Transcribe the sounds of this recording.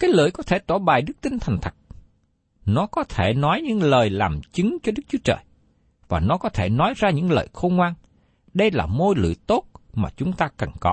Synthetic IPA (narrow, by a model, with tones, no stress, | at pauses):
kaː˨˦jlɨ̰˧˨əjkɔ˨˦t̪ʰe˧˩t̪waː˧˩ɓaː˨˩jɗɨ˦˥k̚t̪i˧ŋt̪ʰɛ˨˩jŋ̟t̪ʰə˨˩k̚ | nɔ˨˦kɔ˨˦t̪ʰe˧˩nɔ˨˦jɲɨ̰˧˥ŋləː˨˩jlaː˨˩mt͡ɕɨ˨˦ŋt͡ɕɔ˧ɗɨ˦˥k̚t͡ɕu˨˦ət͡ɕə̰ː˨˩j | vaː˨˩nɔ˨˦kɔ˨˦t̪ʰe˧˩nɔ˨˦jzaː˧ɲɨ̰˧˥ŋlə̰ː˨˩jxo˧wŋ͡mŋwaː˧n | ɗə˧jla̰ː˨˩mo˧jlɨ̰˧˨t̪o˦˥t̚maː˨˩t͡ɕʊ˨˦ŋ͡mt̪aː˧kə˨˩ŋkɔ˨˦